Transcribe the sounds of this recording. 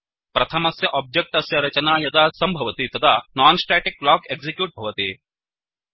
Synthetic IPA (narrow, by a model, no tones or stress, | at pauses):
pɾɐt̪ʰɐmɐsjɐʔaːb̚d͡ʒek̚ʈɐsjɐɾɐt͡ʃɐnaːjɐd̪aːsɐmbʱɐʋɐt̪it̪ɐd̪ʰaːnaːnsʈaːʈik̚blaːkeɡzikjuːʈ̚bʱɐʋɐt̪i